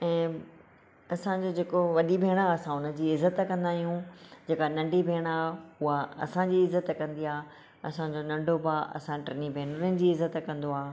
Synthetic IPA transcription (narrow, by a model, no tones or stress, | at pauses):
ɛ̃ː | ɐsãd͡ʑoːd͡ʑeːkoʋɐɗibʱeːɽ̃aɐsãʊnə̆d͡ʑiːɪzət̪kɐ̃nd̪aːɦijũd͡ʑeːkanɐ̃ɳɖʱibʱeːɽ̃aːɦɦʊaɐ̰sãd͡ʑiːɪzət̪kɐ̃nd̪iaː | ɐsãd͡ʑoːnɐ̃ɳɖʱobaːʔɐ̰sãʈɾɐnibʱeːɽɾɪnɪ̆d͡ʑiːɪzət̪kɐ̃nd̪oaː